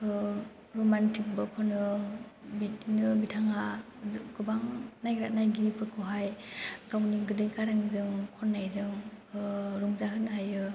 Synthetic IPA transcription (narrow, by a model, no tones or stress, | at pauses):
ɾomantʰik̚bɯkʰɔnɯbinɯbitʰaŋa | ɡɯbaŋnajɾaʔ̚najɡipʰɯtkʰɔɦajkawniɡɯdɯjkʰaɾaŋzɯŋkʰɔnːajɾɯŋ | ɾuŋzaɦɯnajɯ